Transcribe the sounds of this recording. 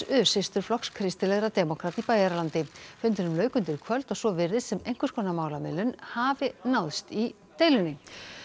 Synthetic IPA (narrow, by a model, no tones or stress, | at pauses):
ʏsɪst̪ʏɾ̥flɔkskʰɾɪst̪ɪlɛɣɾat̪ɛːmɔkʰɾat̪ipaːjaɾalant̪ɪfʏnt̪ɪnʏmlœːɥkʏnt̪ɪɾkʰvœlt̪ɔɣsɔvɪɾɪðsɛmejŋ̥kʏ̥skʰɔːnamaːwlamɪlʏnhaːvɪnawðst̪i | t̪ejlʏnːɪ